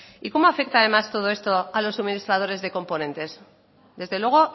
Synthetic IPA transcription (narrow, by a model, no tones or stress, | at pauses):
iko̞moafe̞kt̪aðe̞mast̪o̞ð̞o̞e̞st̪o̞alo̞sːuminist̪ɾað̞o̞ɾe̞zðe̞ko̞mpo̞nẽ̞nt̪e̞s | d̪e̞zðe̞lwe̞ɣ̞o̞